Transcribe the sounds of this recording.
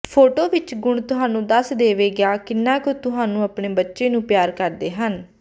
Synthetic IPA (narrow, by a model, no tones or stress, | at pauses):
pʰoːʈoːʋɪt͡ʃɡʊɳt̪ʊɦaːnũːd̪əsd̪eːʋeːɡɪaːkɪnːãːkoːt̪ʊɦaːnũːəpɳeːbətːʃẽːnũːpjaːɾkəɾd̪eːɦən